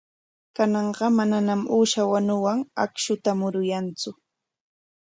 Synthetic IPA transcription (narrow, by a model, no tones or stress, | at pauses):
kanɑɴɢɑmananamuːʃawanʊwaŋa̰kʃʊt̪amʊɾʊjant͡sʊ